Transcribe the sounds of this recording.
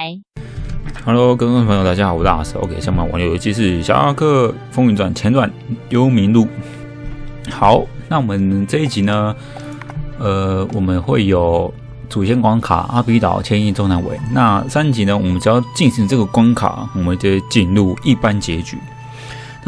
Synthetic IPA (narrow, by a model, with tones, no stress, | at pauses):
ha˧˥lo˧ʊkə̃˧˥˩ŋ˥˧pʰə˧˥jo˨t̪a˥˩t͡ɕa˥xpu˨˦t̪a̰˥˩s̩˧˥˩o̰˧˦kʰe˨˩ɕja˥˧˨m˥˩˨wa̰˧˨˦njo˨˩jo˧˥t͡ɕʰi˧˥ʂ̬ɻ̩˥˩ɕja̰˥a̰˥˧kʰɤ˥˧ | fo˥ŋy˧nt̪wa˨˩nt͡ɕʰɛ˧˥nt̪wa˨˩njo˦˥ʊmi˧˥nlu˥˩ | xa˨˦ʊna˥˩˨wɔ˨˩mə˦nt͡sɤ˥˧i˥˩t͡ɕi˧˦nə˧ | ə˨wɔ˨˩mə˦nxwe˥˩ɪjo˨ʊ | t͡su˨˩jɛ˥nkwɑ˧˥ŋkʰa̰˨˩ʔa̰˥pi˧˥t̪ɑ̰˨˩ʊt͡ɕʰɛ˥ni˥˧t͡so˥˩ŋna˧˥nwḛ˨˦ɪna˥˧sa˦nt͡ɕi˨˥nə˧wɔ˨˩mə˦nt͡ɕo˨˧˦jɑ˥˧ʊt͡ɕi˥˩nɕi˨˦ŋt͡sɤ˥˩ɡə˩kwa˥nkʰa̰˨˩˦wɔ˨˩mə˦nt͡ɕo˥˧t͡ɕi˥˧nlu˥˨i˥˩pa˦nt͡ɕjɛ˧˥t͡ɕy̰˨˩˦ | na˥